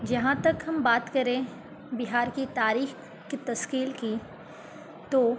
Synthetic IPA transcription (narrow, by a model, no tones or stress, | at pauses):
d͡ʒɐɦãt̪ɐkɦɐmbaːt̪kɐɾẽ | bɪɦaːɾkit̪aːɾiːx | kit̪ɐskiːlki | t̪oː